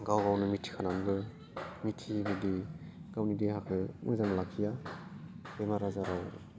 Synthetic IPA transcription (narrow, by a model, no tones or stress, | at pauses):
ɡawɡawnɯmitʰi̥kʰanambɯ | mitʰibidiɡ̥awnideɦakʰɯmɯ̰jzaŋɯlakʰːija | bemaɾazaɾaw